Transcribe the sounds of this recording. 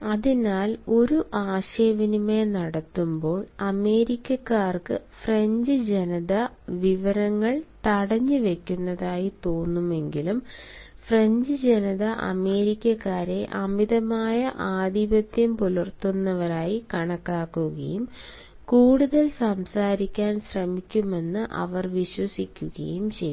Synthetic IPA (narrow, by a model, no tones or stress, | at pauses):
ɐðinaːlo̞ɾuʔaːɕɐjɐʋinume̞nɐɽɐt̪ːumbo̞ːɭɐme̞ːɾikʲːɐkːaːrkɨ̰freɲd͡ʑɨd͡ʑenɐðɐʋiʋɐɾɐŋːɐɭt̪ɐɽɐɲːɨʋe̞kʲːunːɐðaːjit̪o̞ːnːume̞ŋɡilumfreɲd͡ʑɨd͡ʑenɐðɐʔɐ̰me̞ːɾikʲːɐkːaːɾe̞ʔɐmiðɐmaːjɐʔaːd̪ibɐd̪jɐmpulɐrt̪unːɐʋɐɾaːjikɐɳɐkːaːkːuɣɐ̰jum | kuːɽuðɐlsɐmsaːɾikʲːaːnɕrɐmikʲːume̞nːɨʔɐ̰ʋɐrʋiɕwɐsikʲːuɣɐ̰jumt͡ɕḛj